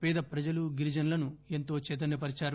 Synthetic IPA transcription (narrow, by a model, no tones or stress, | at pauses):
piːd̪ɐpɾɐd͡ʒɐluɡiɾid͡ʒɐnlɐnuent̪o̞ːt͡ʃɛːt̪̬ɐnepɐɾit͡ʃaːɾɐ